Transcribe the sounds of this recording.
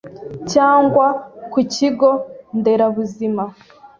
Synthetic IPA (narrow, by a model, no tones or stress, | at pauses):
caːŋɡwakuciɡo̞nde̞ɾaβuzima